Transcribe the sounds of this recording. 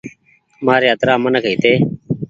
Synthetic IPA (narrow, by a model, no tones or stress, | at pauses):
maːɾeːɦət̪ɾaːmənəkɦiːt̪eː